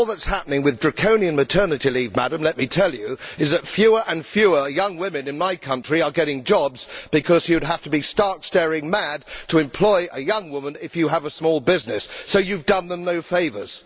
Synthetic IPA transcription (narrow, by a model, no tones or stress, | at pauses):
lˠðətshæpənɪ̃ŋwɨðdɹɨkʰõʊ̃niɨ̃nmɨtʰɜ˞nɨɾilivmæɾɨ̃mlɛt̚mitʰɛlˠjʉɨzðɨtfjʉə˞ʔɨ̃nfjʉə˞jʌ̃ŋwɪ̃mɨ̃nɨ̃nmaɪkʰʌ̃nt͡ʃɹ̥iə˞ɡɛɾɪ̃ŋd͡ʒɑbz̥b̥ɨkʰʌz̥jɨwɨd̚ɦæftəbistɑɹkstɛɹɪ̃ŋmæd̚tʰəɨ̃mpʰl̥ɔɪʔəjʌ̃ŋwʊmə̃nɪfjɨːvəsmɔlˠbɪznɨsːoʊjʉvdʌ̃nðə̃mnoʊfeɪvə̰˞z̥